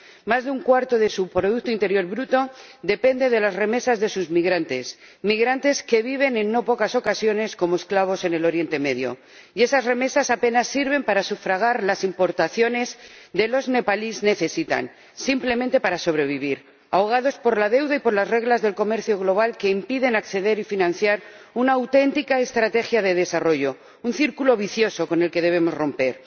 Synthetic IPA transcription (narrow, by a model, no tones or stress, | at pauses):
mazðeuŋkwaɾt̪o̞ðe̞supɾo̞ðuk̚t̪oint̪e̞ɾjo̞ɾβɾut̪o̞ | d̪e̞pe̞nd̪e̞ð̞e̞lazre̞me̞sazðe̞suzmiɣɾant̪e̞s | miɣɾant̪e̞ske̞β̞iβ̞e̞nẽ̞nːo̞po̞kaso̞kasjo̞ne̞sko̞moesklaβ̞o̞se̞ne̞lo̞ɾje̞nt̪e̞me̞ðjo̞̰ | ie̞sazre̞me̞sasape̞nasːiɾβ̞e̞mpaɾasufɾaɣ̞aɾlasimpo̞ɾt̪aθjo̞ne̞zd̪e̞lo̞zne̞palizne̞θe̞sit̪a̰n | simple̞mẽnt̪e̞paɾaso̞β̞ɾe̞β̞iβ̞iɾ | aoɣ̞aðo̞spoɾlaðe̞wðaipo̞ɾlazre̞ɣlazðe̞lko̞me̞ɾθjo̞ɣlo̞β̞alke̞impiðe̞nakθe̞ðe̞ɾifinãn̟θjaɾ | unaːwt̪e̞nt̪ikaest̪ɾat̪e̞xjaðe̞ðe̞saro̞ʝo̞ | unθiɾkulo̞β̞iθjo̞so̞ko̞ne̞lke̞ðe̞β̞e̞mo̞zro̞mpe̞ɾ